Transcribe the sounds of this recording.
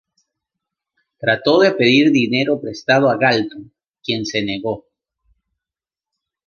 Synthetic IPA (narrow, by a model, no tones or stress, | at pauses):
t̪ɾat̪o̞ðe̞pe̞ðiɾðine̞ɾo̞pɾe̞st̪að̞oaɣalt̪u | kje̞nse̞ne̞ɣo̞